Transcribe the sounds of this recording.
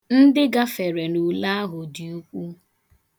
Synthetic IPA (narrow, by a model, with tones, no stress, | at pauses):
n̩˦dɪ˦ɡa˦fe˨ɾe˨nu˨la˦a˦ɦʊ˨di˨u˦kʷu˦